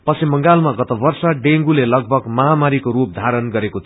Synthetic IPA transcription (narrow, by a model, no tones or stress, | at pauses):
pʌsimʌŋɡalmaɡʌt̪ʌbʌrsaɖeŋɡulelʌɡ̚bʱʌɡmʌɦamaɾikoɾup̚d̪ʱaɾʌnɡʌɾekot̪ʰ